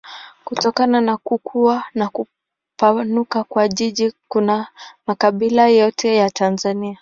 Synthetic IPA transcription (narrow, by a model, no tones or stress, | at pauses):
kutɔkananakukʰuanaku | panukakwaʄiʄikunamakaɓilajɔtʰɛjatanzania